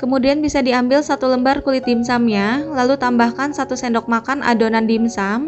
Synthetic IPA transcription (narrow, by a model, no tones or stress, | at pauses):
kəmudianbisadiambɪlsat̪uləmbarkulit̪̚dimsamɲalalut̪ambahkansat̪usɛndɔk̚makanʔa̰donandimsam